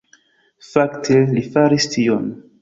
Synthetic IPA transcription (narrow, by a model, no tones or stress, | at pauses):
faktʰelifaɾistʰion